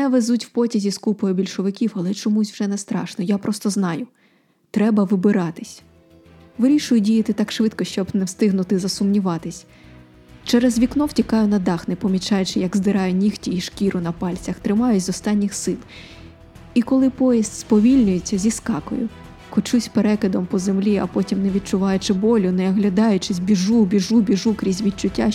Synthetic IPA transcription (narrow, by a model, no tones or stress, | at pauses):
nɛʋezutʲw̥pɔtʲɐzʲiskupɔjʊbʲilʲʃɔʋɪkʲiwɐlˠɛt͡ʃɔmusʲwʒ̥ɛnɛst̪ɾɑ̰ʃnɔjapɾɔst̪ɔznɑjʊ | t̪ɾɛbɐʋɪbɪɾɑt̪ɪsʲ | ʋɪɾʲiʃʊjʊdʲijɐt̪ɪt̪ɑkʃʋɪd̪kɔʃt͡ʃɔbnɛwst̪ɪɦnʊt̪ɪzɐsʊmnʲiʋɑt̪ɪsʲ | t͡ʃɛɾɛzʋʲiknɔwtʲikɑjʊnɐd̪ɑxnɪpɔmʲit͡ʃɑjʊt͡ʃɪjɐɡzd̪ɪɾɑjʊnʲixtʲiiʃkʲiɾʊnɐpɑlʲt͡sʲɐxt̪ɾɪmɑjʊzɔst̪ɑnʲːixsɪlˠ | ikɔlˠɪpɔjist̪spɔʋʲilʲnʲʊjet͡sʲːɐzʲiskɑkɔ̰jʊ̰ | kɔt͡ʃusʲpeɾɛkɪd̪ɔmpɔzemlʲiɐ̰pɔtʲimnɛʋʲid̚t͡ʃʊʋɑjʊt͡ʃɪbɔlʲʊnɛɐɦlʲɐd̪ɑjʊt͡ʃɪzʲbʲiʒubʲiʒubʲiʒukɾʲizʲʋʲid̪̚t͡ʃʊtʲːa